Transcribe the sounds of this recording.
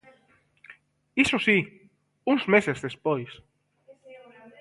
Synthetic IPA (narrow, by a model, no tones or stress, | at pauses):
isosi | uŋzmesezðespojs